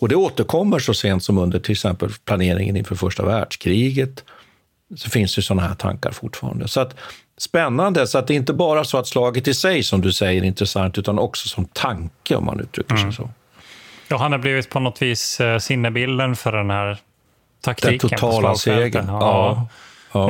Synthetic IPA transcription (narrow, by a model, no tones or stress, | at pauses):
ɔd̪ɛoːt̪əɾkʰɔmːəʂɔseːnt̪sɔmɵnd̪əʈʰɪlɛksɛmpə̰lpʰlaneːɾɪ̰ŋə̰nɪnfœːɾfœʂʈa̰væːɖʂkʰɾiːɡət̪ | sɔfɪnsd̪ɛjsɔnːahæʈʰa̰ŋka̰ɾfʊʈːfɑ̰ːɾa̰nd̪əsɔat̪ | spɛnːand̪əsɔat̪̚d̪ɛɪnt̪əbɑːɾasɔat̪slɑːɡət̪ːɪsɛjsɔmd̪ɵsɛjːəɾɪnt̪ɾəsaŋt̪ʉ̟ːt̪anɔksɔ̥sɔmt̪ʰaŋkəɔ̰mːʔa̰nʔʉ̟ːt̪ʰɾʏ̰kːəʂɛjsɔ̰ | jɑɦanabliːvɪt̪̚pʰɔnɔt̪viːssɪnːəbɪld̪ənfœɖɛnhæɾ | t̪ʰakt̪d̪ɛiːt̪ʰʊtʰɑːlaseːɡənɑː | ɑː